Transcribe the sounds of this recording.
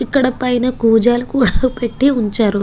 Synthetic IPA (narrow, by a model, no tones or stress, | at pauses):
ikːɐɽɐpɐjnɐkuːd͡ʒaːlukuːɽaːpeʈːiuɲt͡ʃaːɾu